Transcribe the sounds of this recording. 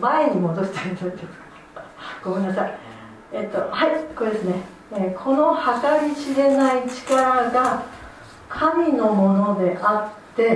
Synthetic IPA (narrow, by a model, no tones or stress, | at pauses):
maeɲ̟imo̞d̪o̞ɕi̥t̪aɾɯ̃nõnd̪esɨ̥kḁ | ɡ̥o̞me̞nːasai | et̪ːo̞haikod̪e̞sɨne̞ | ekʰo̞no̞hakaɾʲiɕiɾe̞nait͡ɕi̥kaɾaɡa | kʰamʲino̞mo̞no̞d̪e̞ʔat̪ːe̞